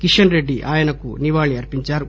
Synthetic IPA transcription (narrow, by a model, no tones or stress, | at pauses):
kiʂɐnɾeɖːiʔaːjɐnɐkːṵniʋaːɭiɐɾpiɲt͡ʃaːɾu